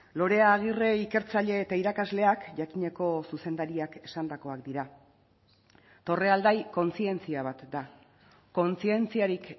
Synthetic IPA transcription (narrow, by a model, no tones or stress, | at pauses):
lo̞ɾe̞aːɣ̞ire̞ike̞ɾt͡saʎe̞ːt̪aiɾakazle̞akʝakiɲe̞ko̞suse̞nd̪aɾiake̞sand̪ako̞akd̪iɾa | t̪o̞re̞ald̪ajko̞nt͡sie̞nt͡siaβ̞at̪d̪a | ko̞nt͡sie̞nt͡siaɾik